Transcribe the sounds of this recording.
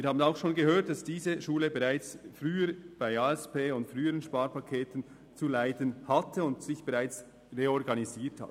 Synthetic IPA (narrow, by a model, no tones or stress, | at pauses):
viːhaːbən̩aʊxʃoːnɡəɦøːɐt̚d̥ɑsd̥iːzəʃuːləbɛʁaɪt͡sfʁyːəɾb̥aɪaːɛspeːʊntfʁyːəʁənʃpaːɾpɑkʰeːtən̩ | t͡sulaɪdənhɑtʰəʊntsɪçb̥ɛʁaɪt͡s | ʁeɔɾɡɑniziːtha̰t